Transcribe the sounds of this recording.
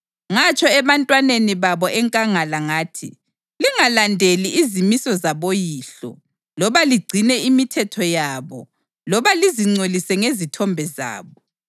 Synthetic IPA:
ŋat͡ʃʼʰɔɛβantʼwaneniβaβɔʔɛŋkʼaŋalaŋaːtʰḭ | liŋalandʱeliːzimisɔzaβojiːɬɔ̰ | lɔβaliɡ͡ǀʱinɛimitʰɛtʰɔjaːβɔ | lɔβaliziŋ͡ǀolisɛŋezitʰɔmbʱɛza̰ːβɔ

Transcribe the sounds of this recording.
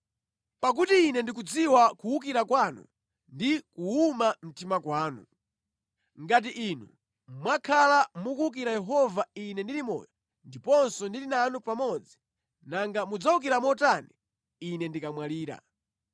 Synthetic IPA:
pak̬utiːnɛndik̬ud͡ziwakuukiɾakwanṵ | ndikuumam̩timakwaːnṵ | ŋɡat̬iʔinṵ | mwakʰalamukuuk̬iɾajɛɦɔvainɛndilimɔ̰ːjɔ | ndipɔnsɔndilinanupamɔd͡zi̥ | naŋɡamud͡zauk̬iɾamɔtani | inɛndikamwaliːɾa̰

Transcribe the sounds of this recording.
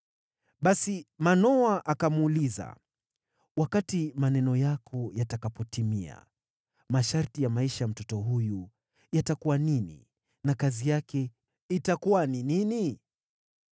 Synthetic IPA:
ɓasimanɔaʔakamuːliza̰ | wakatimanɛnɔjakʰɔjatakapɔtimia̰ | maʃaɾtijamaiʃajam̩tɔtɔɦuju | jatakuwaninḭ | nakazijakʰɛ | itakuwaninini

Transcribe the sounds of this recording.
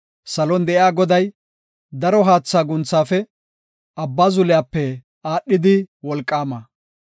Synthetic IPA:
sɐlɔnd̪ɛʔjaːɡɔd̪ɐj | d̪ɐɾɔɦaːt͡sːaːɡʊnt͡sːaːfɛ | ɐbːaːzʊlɪjaːpːɛ | aːɗːɪd̪ɪwɔlkʼːaːmɐ

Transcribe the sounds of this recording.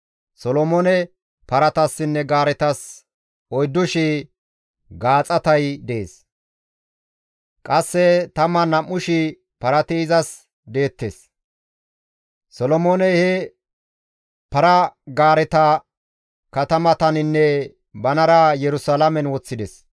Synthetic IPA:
sɔlɔmɔnɛ | pɐɾɐt̪ɐsːɪnːɛɡaːɾɛt̪ɐs | ɔjd̪ːʊʃɪ | ɡaːt͡sʼɐt̪ɐjd̪eeːs | kʼɐsːɛt̪ɐmːɐnɐmːʊʃɪ | pɐɾɐt̪iːzɐs | d̪e̞ːt̪ːes | sɔlɔmoːnɛhɛ | pɐɾɐɡaːɾɛt̪ɐ | kɐt̪ɐmɐt̪ɐnɪnːɛ | bɐnɐɾɐjɛɾʊsalɐmɛnwɔt͡sːɪd̪ɛs

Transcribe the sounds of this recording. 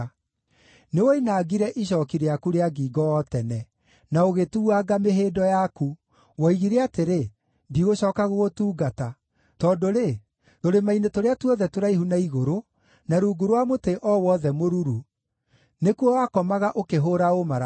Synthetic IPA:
newoinaːɡiɾɛʔiɕ̬ɔːkiɾeakuɾeaɡiːɡɔɔtɛnɛ | naoɣetuaɡameɦeːdɔjaku | wɔiɣiɾeateɾe | ndiɣoɕɔːkaɣoɣotuːɡata | tɔːdoɾe | toɾemainetoɾeatuɔðɛtoɾaihunaiɣoɾo | naɾuːɡuɾwamoteʔɔwɔðɛmoɾuɾu | nekwɔwakɔmaɣaʔokeɦoɾaomaɾa

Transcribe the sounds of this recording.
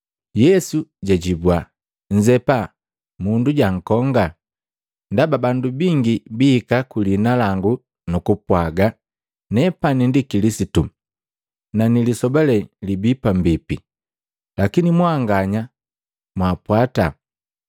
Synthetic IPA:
jɛsuɟaɟibwa | ɲ̩d͡ʒɛpa | munduɟaŋ̩kɔŋɡa | ndababandubiŋɡibiːkakulinalaŋɡu | nukupwaɡa | nɛpanindikilisitu | nanilisɔbalɛlibipambipi | lakinimwaŋɡaɲa | mwapwata

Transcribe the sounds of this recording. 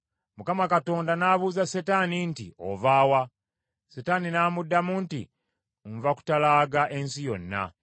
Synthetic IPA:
mukamakato̞ːndanaβuːzasetanintḭʔo̞̰vaːwa | setaninaːmudːamuntḭ | ɱvaku̥talaːɡaʔensijo̞nːa̰

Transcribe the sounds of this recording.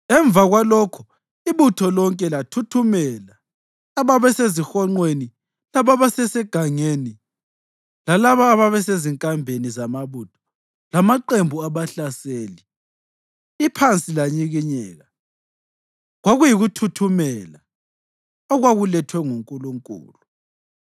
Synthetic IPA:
ɛɱvaɣwalɔkʰu̥ | iβutʰɔlɔŋkʼɛlatʰutʰumɛlaː | βaβɛsezixɔŋ͡ǃweni | laβaβasɛsɛɡ̥ʱaŋeni | lalaβaːβaβɛseziŋkʼambʱenizamaβutʰɔ̥ | lamaǃembʱuaβaɬaseːli | ipʰant͡sʼilaɲiɣiɲɛːɣa | ɣwaɣujiɣutʰutʰumɛla | ɔɣwaɣulɛtʰwɛŋuŋkʼuluŋkʼṵːlu

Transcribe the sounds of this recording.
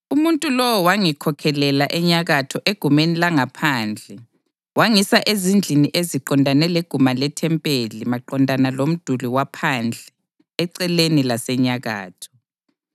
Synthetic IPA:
umuntʼulɔwɔwaŋikʰɔkʰɛlɛlaʔɛɲaɣatʰɔʔeɡ̥ʱumenilaŋapʰaːnd͡ɮʱɛ | waŋisaʔezind͡ɮʱiniʔeziǃɔndʱanɛleɡ̥ʱumalɛtʰɛmpʼelimaǃɔndʱanalom̩d̥ʱuliwapʰand͡ɮʱɛ | ɛǀɛlenilasɛɲaɣa̰ːtʰɔ̥

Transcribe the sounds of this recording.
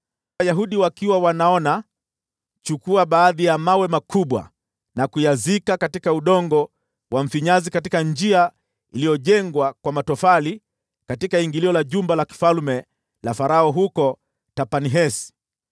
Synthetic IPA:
ajaɦuɗiwakiwawanaɔna | t͡ʃukuaɓaːðijamawɛmakʰuɓwa̰ | nakujazikakatikauɗɔŋɡɔ | wʔam̩fiɲazikatikand͡ʒia | ilijɔʄɛŋɡwakwamatɔfali | katikaiŋɡiliɔlaʄumbalaki̥falmɛ | lafaɾaɔɦukɔ | tapaniɦɛsi̥

